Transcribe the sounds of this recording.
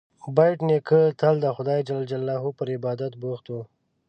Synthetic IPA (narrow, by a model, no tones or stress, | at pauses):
bajʈnekʰət̪ʰald̪əxʊd̪ɑːjd͡ʒalld͡ʒalːaɦupəɾɪbɑːd̪at̪buxt̪u